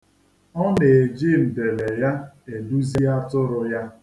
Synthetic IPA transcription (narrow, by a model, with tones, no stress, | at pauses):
ɔ˦ne˨e˨d͡ʒe˦˨m̩˨be˨le˨ja˦e˨du˦zi˦a˦tʊ˦ɾʊ˦ja˦